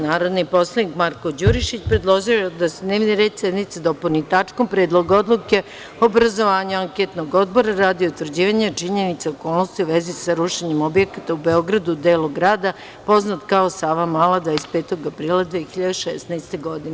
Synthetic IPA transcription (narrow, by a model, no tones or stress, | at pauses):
naːɾo̞d̪nipo̞slˠanikmaɾko̞d͡ʑuɾiʃit͡ɕpɾed̪lˠo̞ʒiod̪ased̪ne̞ːʋniɾe̞ːd̪sje̞d̪nit̪sed̪opolnit̪at͡ʂkompɾe̞ːd̪lˠoɡao̞d̪luke̞ | oːbɾazo̞ʋaːɲaaŋket̪noɡo̞d̪boɾaɾaːd̪iout̪ʋr̩d͡ʑiːʋaɲat͡ʂiɲe̞nit̪seoko̞ːlˠnost̪iuʋe̞zisaɾuʃeɲemo̞bjekat̪aube̞o̞ɡɾad̪ud̪e̞ːloɡɾaːd̪a | po̞znat̪kao̞saːʋamalˠad̪vaest̪peːt̪oɡapɾiːlˠad̪ʋiexiʎad̪eʃesnaest̪eɡo̞d̪ine